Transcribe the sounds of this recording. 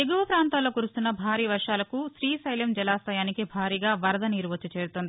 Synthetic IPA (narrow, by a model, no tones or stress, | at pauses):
eɡuʋɐpɾaːnt̪aːlːo̞ːkuːɾust̪unːɐbʱaːɾiːʋɐɾʂaːlɐkuʃɾiːsɐjlɐmd͡ʒɛlaːst̪ɐjaːnikibʱaːɾiːɡaːʋɐɾɐd̪ɐniːɾʋɐt͡ʃːɐt͡ʃe̞ːɾut̪ond̪i